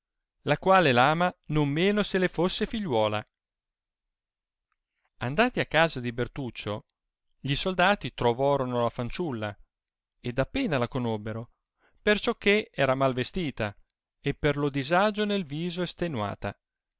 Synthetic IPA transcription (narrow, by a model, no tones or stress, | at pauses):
lakwaːlelaːmanomːeːnoselefosːefiʎːwɔːla̰ | and̪aːt̪iakːaːzad̪ibert̪ut͡ʃːo | ʎisold̪aːt̪it̪ɾovɔːɾonolafant͡ʃulːa | ed̪apːeːnalakonobːeɾo | pert͡ʃɔkːeɛːɾamalvest̪iːt̪a | epːerlod̪izad͡ʒonelviːzoest̪enwa̰ːt̪a